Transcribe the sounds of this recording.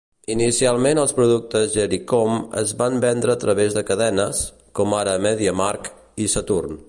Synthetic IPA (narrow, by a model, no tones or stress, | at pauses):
inisialˠmenəlˠspɾuðuk̚t̪əzʒəɾikomə̰zβambɛnd̪ɾəːt̪ɾəβezðəkəðɛnəs | kɔmaɾəːmɛðiəmaɾk | isət̪urn